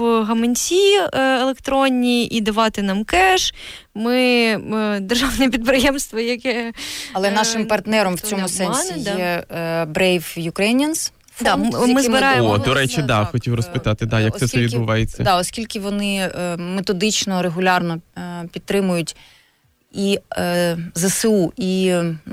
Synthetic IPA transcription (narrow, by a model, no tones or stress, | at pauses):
ɦɐmenʲsʲielˠekt̪ɾɔnʲːiʔid̪ɐʋɑt̪ɪnɑmkɛʃ | mɪ | d̪erʒɑwnɛpʲid̪̚pɾɪjɛmst̪ʋɔjɐkɛɐlˠɛnɑʃɪmpɐrt̪nɛɾɔmwt͡sʲɔmʊsɛnʲsʲij̪ɛbɾɛjfjʊkɾɐinʲɐns | d̪ɑmɪzbɪɾɑjeodd̪ɔɾɛt͡ʃid̪ɑxɔtʲiwrɔspɪt̪ɑt̪ɪd̪ɑjɐksɛɐʋʲid̪bʊʋɑjet͡sʲːɐ̰d̪ɑɔsʲkʲilʲkɪʋɔnɪmet̪ɔd̪ɪt͡ʃnɔɾeɦʊlʲɑrnɔpʲidt̪ːɾɪmʊjʊtʲ | i | zɐsɪui